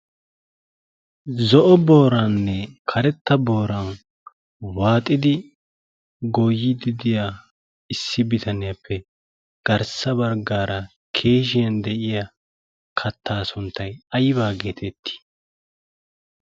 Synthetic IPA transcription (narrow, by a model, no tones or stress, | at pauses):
zɔʔɔbo̞ːɾanːɛkʰɐɾɛt̪ːɐbo̞ːɾɐn | waːt̪ʼːɪd̪ɪ | ɡɔjːɪd̪ɪd̪ɪjaː | ɪsːɪbɪt̪ʰɐnɪjɐpʰːɛ | ɡ̥ɐɾsɐbɐɾɡaːɾɐ | kʰe̞ːʃ̬ɪjɐnd̪ɛʔɪja | kʰɐt̪ʰːaːsʊnt̪ːɐjɐjβaːɡe̞ːt̪ʰɛt̪ːi̥